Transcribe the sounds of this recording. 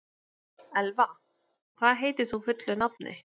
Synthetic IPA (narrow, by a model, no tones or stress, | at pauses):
ɛlva | kʰvaːðɦeːjt̪ɪ̥θufʏt̪lʏnap̚nɪ̰